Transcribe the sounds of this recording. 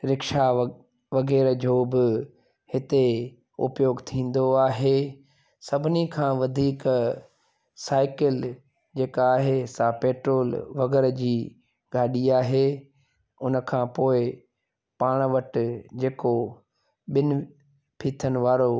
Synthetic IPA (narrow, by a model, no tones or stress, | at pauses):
ɾɪkʃa | ʋɐɡɛːɾd͡ʑoːbɪ | hɪt̪e | ʊ̰pjoːɡt̪ʰĩːn̆d̪oaːɦe | sɐbʱɪnikʰãːʋɐd̪ʱiːk | saːɪkɪl | d͡ʑeːkaːɦesapeːʈɾoːlʋɐɡɛɾd͡ʑiː | ɡaːɗiaːɦe | ʊnəkʰãːpoːɪ | paːɽ̃ʋɐʈɪd͡ʑeːko | ɓɪnʊ | pʰiːt̪ʰənɪ̆ʋaːɾo